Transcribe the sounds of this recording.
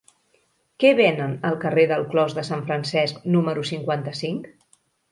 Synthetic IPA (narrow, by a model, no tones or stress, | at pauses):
kɛβɛnənəlˠkəreðəlˠklɔzðəsaɱfɾənsɛsknuməɾusiŋkwant̪əsiŋk